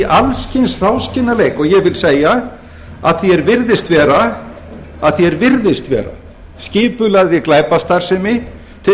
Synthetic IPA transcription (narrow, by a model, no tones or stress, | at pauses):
ʔalscɪnsrawscɪnːaleːjkɔɣjɛɣvɪlseːja | a̰ðθjɛɾvɪɾðɪst̪vɛːɾa | aðθjɛɾvɪɾðɪst̪vɛ̰ːɾa̰ | sciːpʏlaðɾɪklaːjpast̪aɾ̥sɛmɪ | t̪ʰɪ